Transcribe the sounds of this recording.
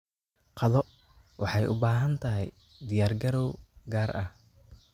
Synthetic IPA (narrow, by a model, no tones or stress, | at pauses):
qʰɑðɔ | wɑħɑjʔʊbaːɦɐnt̪ʰɐɦɛj | d̪ɪjaːrɡɐɾɔwɡaːrʔɐh